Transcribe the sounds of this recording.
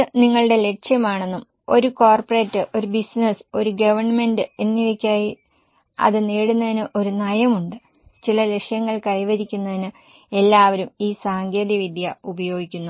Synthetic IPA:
ɨniŋːɐɭɨɽe̞le̞kʂjɐmaːɳe̞nːum | o̞ɾukoːrpɐre̞ːtːɨʔo̞ɾubisneso̞ɾuɡɐʋɐrɳɐme̞ndɨe̞nːiʋɐkʲːaːji | ɐ̰ðɨneːɽunːɐðinɨʔo̞ɾunɐjɐmuɳɖɨ | t͡ɕilɐle̞kʂjɐŋːɐɭkɐjʋɐɾikʲːunːɐðinɨ | e̞lːaːʋɐɾumiːsaːŋɡeːd̪iʋid̪ʱjɐubɐjo̞ːɡikʲːunːu

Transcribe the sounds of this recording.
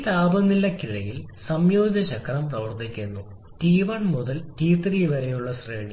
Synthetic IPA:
it̪aːbɐnːilːɐkiɻɐjilsɐmjo̞ːdiðɐɕɐkʰːɐrɐmprɐʋɐrt̪ːikʲːunːu | ʈiːʋɐɳmuðɐlʈiːt̪ːriʋɐɾɐjuɭːɐsreːɳi

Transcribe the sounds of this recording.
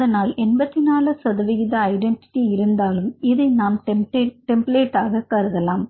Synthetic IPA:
ɐðɐnaːlɛnbɐt̪ːɪnaːlɐsɐðɐʋɪɣɪðɐːɪɖɛɳʈɪ̥ʈːiɪɾɯnd̪aːlɯmɪðɐɪnaːmʈʈeʈːɛmpleːʈːaːɣɐkɐɾɯðɐlaːm

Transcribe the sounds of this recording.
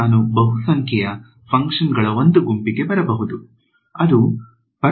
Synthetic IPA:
aːnubɐɦusɐŋkʰjɛjɐ | pʰɐŋkʂɐnɡɐɭɐo̞nd̪uɡumpiɡe̞bɐɾɐbɐɦud̪u | ɐd̪u | pɐɾ

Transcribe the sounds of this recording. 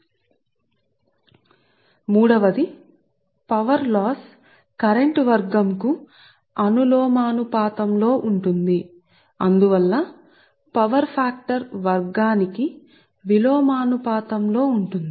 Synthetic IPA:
muːɽɐʋɐd̪i | pɐʋɐɾlaːs | kɐɾeɳʈʋɐɾɡɐmku | ɐnulɔːmaːnupaːt̪ɐmlo̞ːʔuɳʈund̪i | ɐnd̪uʋɐlːɐ | pɐʋɐɾpʰaːk̚ʈɐɾʋɐɾɡaːniki | ʋiloːmaːnupaːt̪ɐmlo̞ːuɳʈund̪

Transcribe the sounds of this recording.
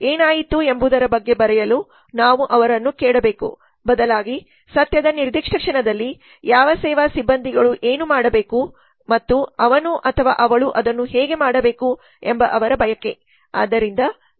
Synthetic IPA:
eːnaːjit̪ːuembud̪ɐɾɐbɐɡːe̞bɐɾɛjɐlu | naːʋuʔɐʋɐɾɐnːukɛːɽɐbeːkṵ | bɐd̪ɐlaːɡi | sɐt̪jɐd̪ɐniɾd̪iːkʂɐkʂɐɳɐd̪ɐlːi | jaːʋɐsɛːʋasibːɐnd̪ʱiɡɐɭuʔeːnumaːɽɐbeːku | mɐt̪ːuɐʋɐnuʔɐt̪ʰɐʋa̰ːʔɐʋɐɭuʔɐd̪ɐnːuɦɛːɡe̞maːɽɐbe̞ːku | embɐʔɐʋɐɾɐbʱɐjɐkːe̞ | a̰ːd̪ːɐɾind̪ɐ

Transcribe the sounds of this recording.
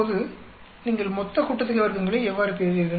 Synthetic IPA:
ðɯ | niːŋɡɐɭmɔt̪ːɐkʊʈːɐt̪ːɯkːɯʋɐɾɯkɯŋɡɐɭɯ̃ɛʋːaːɾɯpeːɾiɾkɐ

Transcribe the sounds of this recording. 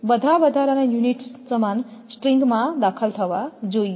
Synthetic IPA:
bəd̪ʱabəd̪ʱaɾanãjuniʈsəmansʈɾiŋɡmãd̪akʰəlt̪ʰəʋad͡ʒoj

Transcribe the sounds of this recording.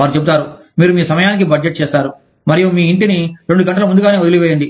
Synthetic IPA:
aːɾut͡ʃebut̪aːɾu | miːɾumiːsɐmɐjaːnik̬ibɐɖd͡ʒeʈ̚t͡ʃɛːst̪aːɾu | mɐɾijumiːiɳʈiniɾe̞ɳɖuɡɐɳʈɐlɐmund̪uɡaːne̞ːʋod̪ɐliʋeːjɐɳɖi

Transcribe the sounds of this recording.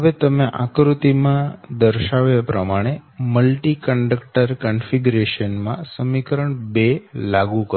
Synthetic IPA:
ɦəʋet̪əmeʔa̰kɾut̪imãd̪əɾʃaʋjapɾəmaɽ̃eməlʈikəɳɖəkʈəɾkənfiɡuɾeʃənmãsəmikəɾəɳbelaɡukə

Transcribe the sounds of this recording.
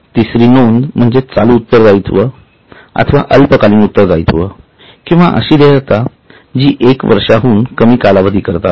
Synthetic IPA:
t̪isɾiːnond̪m̤əɳd͡zet͡saluːt̪ːəɾd͡zajt̪ʰʋə | a̰t̪ʰəʋa̰ʔəlpəkaliːnut̪ːəɾd͡zajt̪ʰʋə | kĩw̃ʋa̰ʔə̰ɕiːd̪eət̪a | d͡ʑiːʔekʋə̰ɾʂaɦuːnkəmiːkalaʋəd̪ʱiːkəɾt̪a̰

